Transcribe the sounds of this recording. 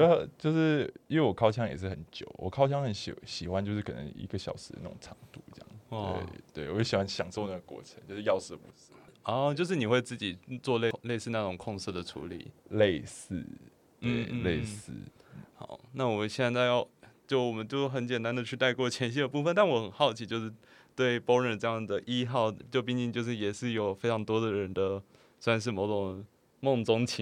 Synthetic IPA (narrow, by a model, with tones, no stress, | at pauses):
o˧˥˨t͡ɕjo˥˧ʊʂɻ̩˥˩˥nwe˥˩wɔ˨˩kʰɑ˥ʊt͡ɕʰjɑ˥ŋjɛ̰˨˩ʂɻ̩˥˩ə˨˦nt͡ɕjo̰˨˩ʊwʔɔ̰˨˩kʰɑ˥ʊt͡ɕʰjɑ˥ŋxə˨˦nɕo˨˩ɕi˨˩xwa˥nt͡ɕjo˥˧ʂɻ̩˥˩kʰə̰˨˩nə̰˧˦ŋḭ˧˥ɡə˨ɕjɑ˨˩ʊʂɻ̩˧˥d̪ə̰˦na˥˩ʊ̰˨˩ŋʈ͡ʂʰɑ˧˥ŋt̪u˥˩i˨˩˥jɑ̰˥˩ŋ˥wḛ˥˩ɪt̪we˥˩ɪwɔ˨˩˥ɕi˨˩xwa˦nɕjɑ˨˩ŋso˥˧ʊna˥˩ɡə˩kwɔ̰˥˩ʈ͡ʂʰə˧˦ŋt͡ɕjo˥˧ʂɻ̩˥˧jɑ˥˧ʊs̩˥˩˨pṵ˧˥s̩˥ɔ˥˩t͡ɕjʊʂ̬ɻ̩˥˩ni˨˩xwe˥˧ɪt͡sɹ̩˥˩t͡ɕi˨˩t͡swɔ˥˧le˥˧le˥˧ɪsɹ̩˥˧na˥˩ʊ˨˩ŋkʰʊ˥˧ŋs̩˥˩d̪ə˩ʈ͡ʂʰṵ˧˥lḭ˨˩˦le˥˧ɪsɹ̩˥˩ | t̪wḛ˥˩ɪle˥˧ɪsɹ̩̰˥˩xɑ̰˨˩˦ʊna˥˩wɔ˨˩mə˦nɕjɛ˥˧nt͡sa˥˧ɪjɑ˥˩t͡ɕjo˥˩ʊwɔ˨˩mə˦nt͡ɕjo˥˧ʊxə˧˥nt͡ɕjɛ˨˩nt̪a˥nd̪ə˨t͡ɕʰy˥˧t̪a˥˧ɪkwɔ˥˩t͡ɕʰjɛ˧˥nɕ̬i˥˧d̪ə˨pu˥˩fə˨nt̪a˥˩nwɔ˧˥xə˨˩nxɑ˥˩ʊt͡ɕʰi˧˥t͡ɕjo˥˧ʊʂɻ̩˥˧ | t̪we˥˩ɪpo˥ʊɻə˥˩nʈ͡ʂɤ˥˧jɑ˥˩ŋd̪ə˩ʔi˥xɑ˥˧ʊt͡ɕjo˥˧ʊp̬i˥˧ŋt͡ɕi˥˧t͡ɕjo˥˧ʊʂ̬ɻ̩˥˩jɛ˨˩ʂɻ̩˥˩jo˨˩ʊfe˥ɪʈ͡ʂʰɑ˧˥ŋt̪wɔ˥d̪ə˨ɻə˧˦˥nd̪ə˧ | sa˧˥nʂ̬ɻ̩˥˩mo˧˥ʊʈ͡ʂʊ˨˩ŋ | mʊ˥˩ŋt͡sʊ˥ŋt͡ɕʰi˧˥